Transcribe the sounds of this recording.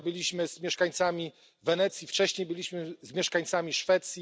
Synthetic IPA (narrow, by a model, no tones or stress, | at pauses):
bɘlʲiɕmɘz̥mʲjɛʂkaɲt̪samʲi | vɛnɛt̪sʲjift͡ʂɛɕɲejbɘlʲiɕmɘzmʲjɛʂkaɲt̪samʲiʂfɛt̪sʲji